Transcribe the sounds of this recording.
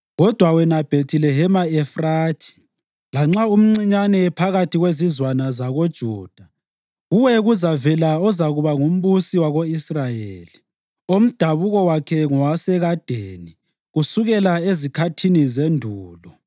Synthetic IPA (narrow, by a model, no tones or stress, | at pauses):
ɣɔd̥ʱwawɛnab̥ʱetʰilɛɦɛmaɛfraːtʰi̥ | laŋ͡ǁaum̩ŋ͡ǀiɲanɛpʰaɣatʰiɣwezizwanazaɣod̥ʒ̥ʱuːd̥ʱa | ɣuwɛɣuzavɛlaɔzaɣuβaŋum̩βusiwaɣoisrajeːli | om̩d̥ʱaβuɣɔwakʰɛŋɔwasɛɣad̥ʱeːni | ɣusuɣɛlaezikʰatʰinizendʱuːlɔ